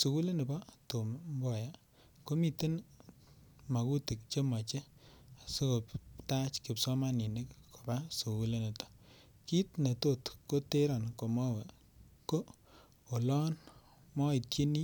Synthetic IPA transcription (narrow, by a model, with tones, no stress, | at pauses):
su˨ku˦le˦nɪ˨bɔ˦to˨mmbɔ˨ja˨ | ko˦mi˨te˦n | ma˨ku˦ti˨k̚t͡ʃe˦ma˨t͡ʃe˦a˨su˦ko˨pta˦t͡ʃki˨psɔ˦ma˦ni˨ne˦kko˨ba˦su˨ku˦le˦ne˨tɔ̥˨ | ki˦tne˨to˦˨tko˦te˦ɾɔ˨nko˨mɔ˦we˨ | ko˦ | o˨lɔ˦n | mɔ˦i˨tje˦ni˦